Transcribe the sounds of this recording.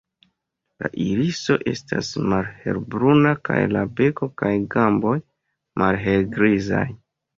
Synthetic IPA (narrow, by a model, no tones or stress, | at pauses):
laʔiɾiso̞ʔe̞stasmalhe̞̰ɾbɾunaka̰jlabe̞ko̞kajɡambo̞j | mʔalɦelɡɾizaj